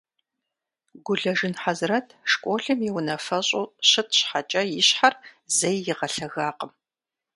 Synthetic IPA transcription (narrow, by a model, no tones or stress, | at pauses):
ɡʷʊɮɐʐɨnħazrɐtʰʂkʷʼoːɬɨmjɪwnɐfɐɕʼoːɕɪtʰɕħat͡ʃʼɐjɪɕħarzɐjːɪʁɐɬɐɣaːqəm